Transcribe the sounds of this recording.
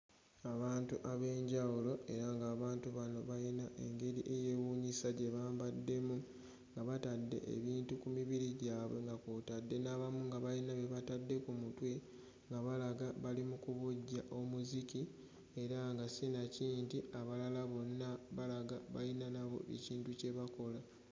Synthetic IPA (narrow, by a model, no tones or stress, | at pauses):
aβaːntuʔaβe̞ːɲɟawulo̞e̞ɾaŋɡaːβaːntuβano̞βajinaʔe̞ŋɡe̞ɾiʔe̞je̞wuːɲisaɟe̞βaːmbadːe̞mu | ŋɡaβatadːe̞̰ʔḛβiːntukumiβiɾiɟaːβwe̞ŋɡakutadːe̞naβamuŋɡaβajinaβe̞βatadːe̞kumutwe | ŋɡaβalaɡaβalimukuβuɟːaʔo̞muziki | eɾaŋɡasinaciːntiaβalalaβo̞nːaβalaɡaβa̰linanaβo̞̰ḛciːntuce̞βako̞la